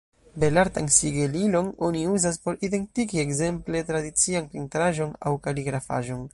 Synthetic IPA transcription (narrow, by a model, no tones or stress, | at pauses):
be̞laɾtansiɡelilo̞no̞niuzaspo̞ɾide̞ntikie̞kze̞mple̞tɾadit͡sianpintɾaʒo̞na̰wkaliɡɾafa̰ʒo̞n